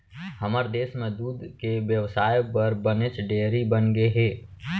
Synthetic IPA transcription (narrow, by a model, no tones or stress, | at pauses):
həməɾd̪eːsmẽd̪uːd̪ʱkeʋjəwsaːjpəɾbənet͡ʃɖeːɾibənɡeɦeː